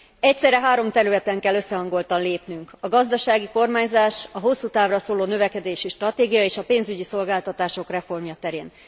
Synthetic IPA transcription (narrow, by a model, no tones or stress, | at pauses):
ɛc̚tsɛɾːɛɦaːɾo̞mt̪ɛɾylɛt̪ɛŋkɛlːø̞sːɛɦɒŋɡo̞lt̪ɒnleːpnyŋkɒɡɒzd̪ɒʃaːɡiko̞rmaːɲzaːʃɒɦo̞sːut̪aːvrɒsoːloːnø̞vɛkɛd̪eːʃiʃt̪rɒt̪eːɡijɒeːʃɒpeːnzyɟiso̞lɡaːlt̪ɒt̪aːʃo̞krɛfo̞rmjɒt̪ɛɾeːn